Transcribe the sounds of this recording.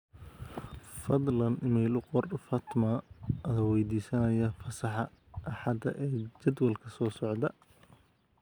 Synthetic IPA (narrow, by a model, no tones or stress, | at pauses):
fɑd̪ˤlɐnʔɪmiːlqɔrfɑːt̪maːɐðɐwɛjd̪iːsɐnɐjɐfɐsɑħɑ | ʔɐħɑd̪ɐ̰ʔɛːt͡ʃɐd̪wɐlkʰɐsɔːsɔʕd̪ɐ